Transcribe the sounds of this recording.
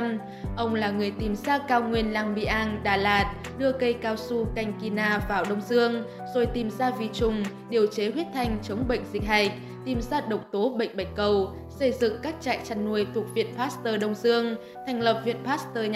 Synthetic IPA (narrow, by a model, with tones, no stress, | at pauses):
m | ʔə˧wŋ͡mlaː˨˩ŋɨ˨˩əjt̪i˨˩mzaː˧kaː˧wŋwi˧ənlaː˧ŋɓḭ˧˨ʔaː˧nɗaː˨˩laː˨˩t̚ | ɗɨ˧əkə˧jkaː˧wsu˧ka˧˩jŋ̟ki˧˩naː˧˩vaː˧˩wɗə˧wŋ͡mzɨ˧əŋ | z̥o˨˩jt̪i˨˩mzaː˧vi˨˩t͡ɕʊ˨˩ŋ͡mɗi˨˩əwt͡ɕe˨˦ɦwi˦˥ət̚t̪ʰa˧˩jŋ̟t͡ɕə˨˦wŋ͡mɓə̰˧˨jŋ̟zï˨˩k̟̚ɦa˨˩jk̚ | t̪i˨˩mzaː˧ɗə˨˩w̚t̪o˨˦ɓə̰˧˨jŋ̟ɓa˧˩˨j̟̚kə˨˩w | sə˧jzɨ̰˧˨ŋkaː˦˥k̚t͡ɕa̰ː˧˨jt͡ɕa˧nːu˧əjt̪ʰu˨˩ək̚vḭ˧˨ənpaː˦˥st̪əː˧˩ɗə˧wŋ͡mzɨ˧əŋ | t̪ʰɛ˨˩jŋ̟lə˨˩p̚vḭ˧˨ənpaː˦˥st̪əː˧ɲ